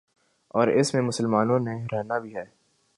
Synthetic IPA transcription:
ɔːɾɪsmẽmʊsəlmaːnõneɾɛɦnabʱiɦɛː

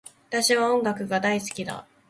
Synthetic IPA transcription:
at̪aɕiβ̞aõ̞ŋɡakɯ̟ɡad̪aisɨ̥kʲid̪a̰

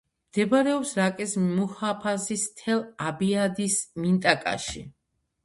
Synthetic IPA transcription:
md̪̥ɛbaɾɛɔpsɾakʼɛsmuhapʰasist̪ʰɛlˠabiad̪ismint̪ʼakʼa̰ʃi

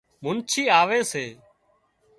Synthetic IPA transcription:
mʊnt͡ʃʰiːaːʋeːseː

